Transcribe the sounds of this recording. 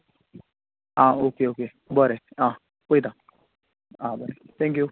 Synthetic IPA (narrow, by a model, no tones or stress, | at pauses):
aokeoke | bɔɾea | kʷeda | abɔɾɛt̪ɛ̃ŋkju